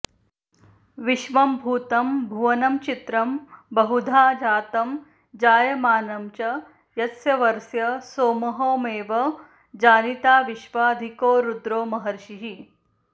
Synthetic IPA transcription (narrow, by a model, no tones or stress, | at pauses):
ʋiʃʋɐmbʱuːt̪ɐmbʱuʋɐnɐmt͡ʃit̪ɾɐmbɐɦud̪ʱaːd͡ʒaːt̪ɐm | d͡ʒaːjɐmaːnɐmt͡ʃɐ | jɐtsjɐʋɐɾsjɐsoːmɐɦoːmeːʋɐ | d͡ʒaːnit̪aːʋiʃʋaːd̪ʱikoːɾud̪ɾoːmɐɦɐɾʃiɦi